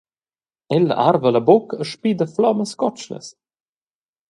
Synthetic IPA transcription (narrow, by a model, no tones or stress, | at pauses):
ɛlə̰ʔarvəlabokəʃpiːd̪əflɔməskɔt͡ʃlə̰s